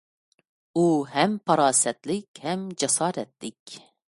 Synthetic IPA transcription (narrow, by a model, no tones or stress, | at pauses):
uːhɛmpʰɑɾɑːsɛt̪likʲhɛmd͡ʒɛsɑːɾɛt̪̚likʲ